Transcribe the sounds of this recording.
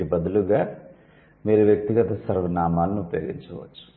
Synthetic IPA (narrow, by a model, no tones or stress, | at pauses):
ibɐd̪uluɡaː | miːɾuʋjɐk̚t̪iɡɐt̪ɐsɐɾʋɐnaːmaːlɐniupɐjoːɡiɲt͡ʃɐʋɐ̰t͡ʃːu̥